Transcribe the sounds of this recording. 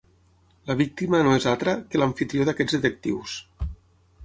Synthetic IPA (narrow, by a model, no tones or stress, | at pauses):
ləβik̚t̪imənoezalt̪ɾəkəlaɱfit̪ɾioðakɛd͡zðət̪ək̚t̪ḭws